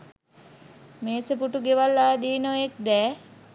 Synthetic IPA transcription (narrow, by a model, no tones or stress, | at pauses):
meːsəpuʈuɡeʋalːaːd̪iːnoek̚d̪ɛː